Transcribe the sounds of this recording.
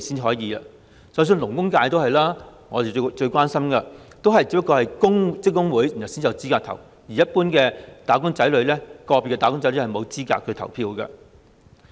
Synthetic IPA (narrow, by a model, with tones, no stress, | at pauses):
siː˥n˨ɦɔː˨˥jiː˨˧ɐ˧ | sɐ˨˥ws̬yː˧nlʊ˨˩ŋkʊ˥ŋkaː˧jt̪o˥whɐ˨jlaː˥ŋɔː˨˧d̪e˨˧t͡ʃɵ˧ɥkwaː˥nsɐ˥mkɐ˧t̪o˥wɦɐ˨jt͡siː˨˧˥pːɐ˥kːɔː˧hɐ˨jkʊ˥ŋt͡sɪ˥kːʊ˥ŋwuː˨˥ji˨˩nhsi˥n˨jɐ˨˧˩t͡siː˥kaː˧k̚t̪ʰɐ˨˩w | jiː˨˩jɐ˥t̚puː˥nkɛː˧t̪aː˨˥kʊ˥ŋt͡sɐ˨˥jlɵ˨˧ɥlɛ˥kɔː˧pi˨˩kːɛ˧t̪aː˨˧kʊ˥ŋt͡sɐ˨˥lə˧˥hɐ˨jmo˨˧wt͡siː˥ka̰ː˧t̚kʰɵ˨˧t̪ʰɐ˨˩wpʰiː˧wkɐ̰˧